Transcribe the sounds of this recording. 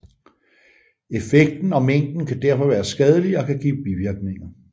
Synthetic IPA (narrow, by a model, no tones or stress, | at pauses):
e̝feɡ̥̚d̥n̩ɒ̽meŋ̰d̥n̩kʰæd̥æɐ̰fɒ̽ʋæːɐsɡ̥ɛð̞ˠəliɒ̽kʰæɡ̥ḭːb̥iʋiɐɡ̥ne̝ŋɐ